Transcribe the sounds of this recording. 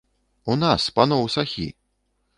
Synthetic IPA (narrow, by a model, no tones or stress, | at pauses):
unaspanɔwsaxʲḭ